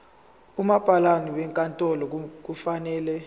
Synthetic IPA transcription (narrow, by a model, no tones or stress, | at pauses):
umab̥ʱalaniwɛŋkʼantʼɔlɔk̬ufanɛːlɛ